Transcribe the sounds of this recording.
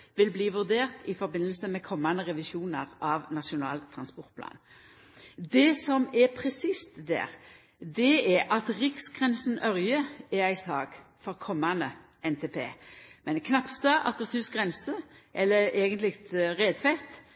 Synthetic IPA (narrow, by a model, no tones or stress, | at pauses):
ʋɪlbliːʋʉʁd̪eːʁt̪ʰɪfɔɾbɪnəl̩səmɛkʰɔmːɑnəʁɛʋɪʃuːnəʁʔɑʋnɑʃʊnɑ̰ːlt̪ʰʁɑnspɔʁt̪̚pʰlɑ̰ːn | d̪ɛsɔmɛpʰʁɛsist̪d̪æ̰ːʁ | d̪ɛɛɾʔɑt̪ʁɪksɡʁɛnsənœɾjəɛɾæɪsɑːɡ | fɔʁkʰɔmːɑnə | ʔɛnt̪ʰeːpʰḛːmɛnkʰnɑpsɑʔɑkʁəshʉːsɡʁɛnsəʔɛlːəɾeːɡənt̪lɪkt̪ʁeːd̪fɛt̪